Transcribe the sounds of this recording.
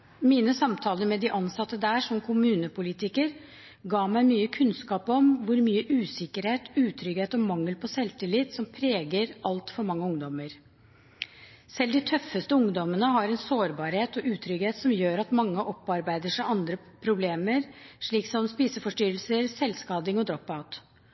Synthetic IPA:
miːnəsɑmt̪ʰɑːləɾmɛd̪ɪʔɑnsɑt̪ːəd̪æːʂɔmkʰʊmʉːnəpʊliːt̪ɪkəɾ | ɡɑːmæɪmyːəkʰʉnskɑːpɔmʋʊɾmyːəʔʉːsɪkəɾheːt̪ʉːt̪ʰɾʏɡheːt̪ɔmɑŋːəlpʰɔsɛlt̪ɪlɪt̪sɔmpʰɾeːɡəɾɑlt̪fɔɾmɑŋːəʊŋd̪ɔməɾ | sɛld̪ɪt̪ʰœfːəst̪əʊŋd̪ɔmənəɦɑɾɛnsoːɾbɑːɾheːt̪ɔʔʉːt̪ʰɾʏɡheːt̪sɔmjøːɾɑt̪mɑŋːəʔɔpːɑɾbæɪd̪əʂæʔɑnd̪ɾə | pʰɾʊbleːməɾʂɭiːksɔmspiːsəfɔʂʈʏɾəlsəɾsɛlskɑːd̪ɪŋɔd̪ɾɔpːɑʊt̪

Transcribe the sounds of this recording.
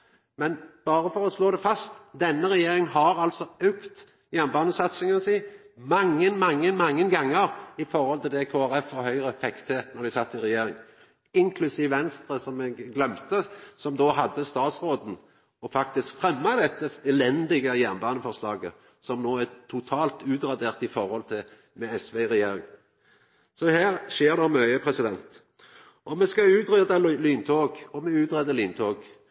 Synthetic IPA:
mɛnb̥ɑːɾəfɔɾɔsloːd̪ɛfɑst̪d̪ɛnːəɾɛjeːɾɪŋənɦɑɾɑlt̪sɔœkt̪ | jæʁnbɑːnəsɑt̪sɪŋɑnsiː | mɑŋːənmɑŋːənmɑŋːənɡɑŋːəɾɪfɔɾhɔlt̪ʰɪld̪ɛkʰoːæɾɛfːɔhœʏɾəfɛkt̪ʰenɔɾd̪æɪsɑt̪ːɪʁɛjeːɾɪŋ | ɪŋkʰlʉsiːʋʋɛnst̪ɾəsɔmɛɡɡlœmt̪əsɔmd̪oːhɑd̪ːəst̪ɑːt̪sɾoːd̪n̩ | ɔfɑkt̪ɪskfɾɛmːɑd̪ɛt̪ːəɛlɛnd̪ɪɡəjæːʁnbɑːnəfɔʁslɑːɡə | sɔmnoːæt̪ʰʊt̪ʰɑːlt̪ʉːt̪ɾɑd̪eːʁt̪ɪfɔɾhɔlt̪ʰɪ | mɛɛsʋeʁɛjeːɾɪŋ | sɔhæːʁʃeːʁd̪ɛmœʏəpʰɾɛsɪd̪ɛnt̪ | ʔɔmɛskɑʉːt̪ɾɛd̪ɑlyːnt̪ʰoːɡɔmɛʉːt̪ɾɛd̪əlyːnt̪ʰoːɡ

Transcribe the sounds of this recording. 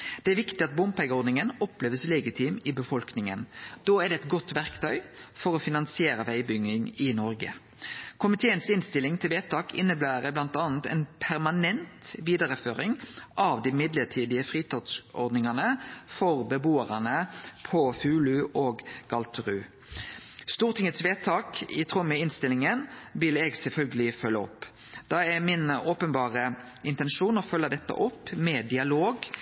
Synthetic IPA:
d̪̥ɛæɾʋɪkt̪ɪɑt̪̚bʊmpʰɛɡɔɾd̪nɪŋənɔpleːʋəslɛɡɪt̪ʰiːmɪbəfɔlknɪŋə̰nd̪̥oːɛd̪ɛɛt̪ɡɔt̪ːʋæʁkt̪ʰœʏfɔɾɔːfɪnɑnsɪeːɾəʋæɪbʏŋːɪŋɪnɔɾɡə̰ | kʰʊmɪt̪ʰeːənsɪnst̪ɪlːɪŋt̪ʰɪlʋeːt̪ɑːkʰɪ̰nːəb̪æːɾəblɑnt̪ɑːnt̪ɛ̰ːnpʰæɾmɑnɛnt̪ʋiːd̪ɑɾəføːɾɪŋʔɑːʋd̪imɪd̪ləʈʰiːd̪ɪəfʁiːt̪ʰɑt̪sɔ̰ʁd̪nɪŋɑnəfɔʁbəbuːəʁənəpʰɔfʉːlʉʔoːɡɡ̥ɑlt̪ʰəʁʉ | st̪uːʁt̪ʰɪŋət̪sʋeːt̪ʰɑːkɪt̪ʰʁʊmːəɪnst̪ɪlɪŋənʋɪlɛːɡsɛlfœlɡəlɪfœlːəɔ̰pː | d̪̥ɑæmɪnoːpənbɑːʁə | ɪnt̪ɛnʃuːnɔfœlːəd̪ɛt̪ːə̰ʔɔpːmɛd̪ɪɑloːɡ

